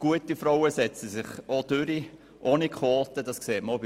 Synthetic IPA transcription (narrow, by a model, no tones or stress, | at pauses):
ɡ̥uətifɾɔwəsɛt͡səsɪχod̥ʏɾi | ʔoːnikχoːtədɑskseːtməob